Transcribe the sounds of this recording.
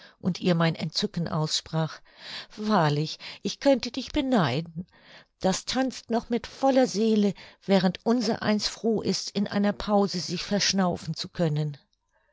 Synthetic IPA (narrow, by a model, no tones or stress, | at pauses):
ʔʊntʔiːɐmaɪnɛntt͡sʏkn̩ʔa̰ʊsʃpʁ̥aːχ | vaːɐlɪçʔɪçkʰœntədɪçb̥ənaɪdn̩ | d̥astʰant͡stnɔχmɪtfɔlɐzeːləvɛːʁ̞əntʔʊnzɐʔa̰ɪnstfʁ̥oːʔɪstɪnʔa̰ɪnɐpʰaʊzəzɪçfɛɐʃnaʊfn̩t͡sukʰœnən